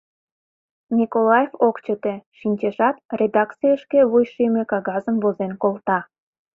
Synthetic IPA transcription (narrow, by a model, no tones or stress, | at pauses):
nʲikolɑjevokt͡ɕət̪eʃinʲt͡ɕeʃɑt̪̚rʲed̪ɑkt͡sijəʃkeβujʃimekɑɣɑzəmvozenkolt̪ɑ